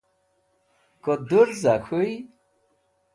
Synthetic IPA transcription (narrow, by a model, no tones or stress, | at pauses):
kɔd̪uɾzakʰuj